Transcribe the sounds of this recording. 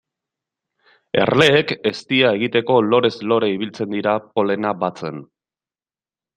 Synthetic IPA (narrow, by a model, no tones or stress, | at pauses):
e̞̰rle̞ːke̞st̪iae̞ɣ̞it̪e̞ko̞lo̞ɾe̞zlo̞ɾeiβ̞ilt͡se̞nd̪iɾapo̞le̞naβat͡se̞n